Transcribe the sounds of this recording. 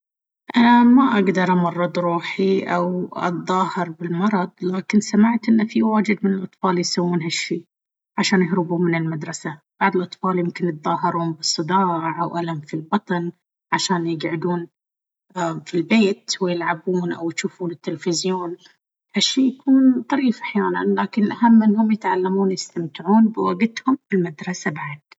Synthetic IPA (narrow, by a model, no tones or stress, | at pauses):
ʔanamaʔaɡd̪ɑɾˤʔɑmɑrˤːɨd̪ˤɾˤuːħiʔawʔɑ̰t̪ðˤɑːhɨɾbɪlmɑɾˤɑd̪ˤlaːkɪnsamɪʕt̪ʔɪnːafiwaːd͡ʒɪd̪mɪnɪlʔɑt̪ˤfɑːljsawːuːnɦaʃːiː | ʕaʃaːnjɪhɾɪbuːmɪnɪlmad̪ɾˤɑsab̥aʕd̪ˤɪlʔɑt̪ˤfɑːljɪmkɪnjɪt̪̚ðˤɑːɦɪɾuːmbɨsˤːɨd̪ɑːʕʕʔawʔalamfilbɑt̪ˤɑn | ʕaʃaːnjɪɡʕɪd̪uːn | ʔafilbeːt̪wɪjɪlʕabuːnʔa̰wjʃuːfuːnɪt̪ːɪlfɪzjoːn | haʃːiːjakʰuːnt̪ˤɑɾiːfʔaħjaːna̰nlaːkɪnʔahamːɪnːhʊmjɪt̪ʕalːamuːnjɪst̪amt̪ɪʕuːnbɪwaɡɪt̪hʊmfɪlmad̪ɾˤɑsabaʕd̪̥̚